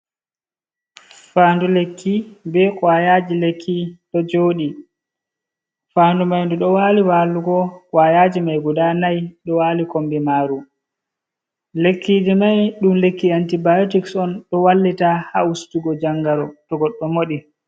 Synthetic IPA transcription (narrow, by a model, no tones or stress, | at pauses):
faːndulekʰːibɛkwajaːd͡ʒilekʰːiɗɔd͡ʒoːɗi | faːndumajnduɗɔwaliwaːluɡɔkwajaːd͡ʒimajɡuɗanajɗɔwaːlikombɛmaːɾu | lekːid͡ʒimajɗumlekːiantibajotiksɔnɗɔwalːitahaustuɡɔd͡ʒaŋɡaɾɔtɔɡɔɗːɔmoɗi